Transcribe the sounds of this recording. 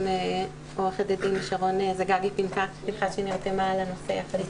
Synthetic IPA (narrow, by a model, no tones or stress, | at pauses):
me | oʁeχed̪ed̪imliʃaʁo̞nezeɡaɡipinka | iχad̪ʃeniʁt̪emalanoseaχ